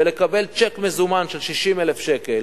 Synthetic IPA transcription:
elekabelt͡ʃekmezumanʃelʃiʃimelefʃekel

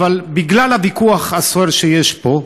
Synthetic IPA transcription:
valbiɡlalhavikuaχhasoeɾʃejeʃpo̞

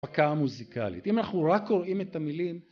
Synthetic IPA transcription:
akamuzika̰lḭt̪imanaχnuʁakoʁʔimet̪amilim

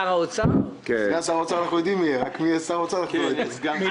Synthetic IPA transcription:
aʁaot͡sa | keiasaʁaot͡saanaχnujod̪imieʁakmiasaʁaot͡sanaχnujoe

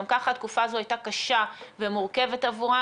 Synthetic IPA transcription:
mkaχat̪̚kufaːzoajtakaʃavemuʁke̞vet̪avuʁa

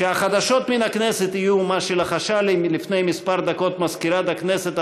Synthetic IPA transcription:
ʃeaχad̪aʃo̞t̪minakneset̪ijumaʃelaχaʃalimlifnejmispaɾd̪ako̞t̪mazkiɾad̪akneset̪

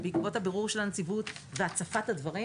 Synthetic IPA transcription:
beikvo̞thabeʁuʁʃe̞lant͡sivutveat͡safathadvaʁi

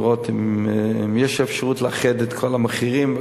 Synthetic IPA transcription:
ʁot̪immjɛʃefʃaʁutleaχedet̪kʰolameχiʁim

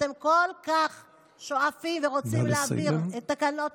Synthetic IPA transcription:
te̞mko̞lkaχ | ʃo̞afimveʁot͡simleabiʁet̪ːakano̞t

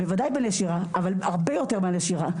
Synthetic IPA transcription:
bevad̪ajbeneʃiʁaavalaʁbe̞jo̞t̪eʁmeaneʃiʁa

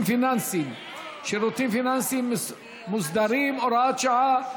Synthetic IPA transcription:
finansim | ʃeɾot̪ʰinfinansim | musd̪aɾimɔɾat͡ʃaʕa

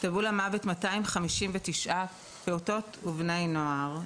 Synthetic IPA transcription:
tabulamavetmataimχamiʃimvetiʃʔa | peuto̞tuvnejnoaʁ

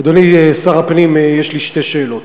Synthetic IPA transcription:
d̪oniesaʁapnimjeʃliʃte̞ʃeːlo̞t̪

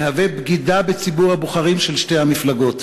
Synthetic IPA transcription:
ehavebɡid̪abet͡sibuʁhabuχaʁimʃelʃte̞jhamiflaɡo̞t̪

